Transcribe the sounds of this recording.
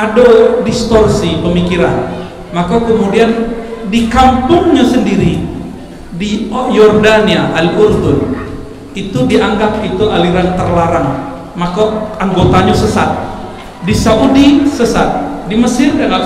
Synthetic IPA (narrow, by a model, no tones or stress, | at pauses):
adodist̪ɔrsipəmikiɾan | makakəmudiandikampʊŋɲasəndiɾi | dijɔrdaniaʔaliʔurd̪ʊn | it̪udiaŋɡap̚it̪uʔaliɾant̪ərlaɾaŋ | makaaŋɡot̪aɲasəsa̰t̪̚ | disaʔudisəsat̪̚diməsɪrdiaŋa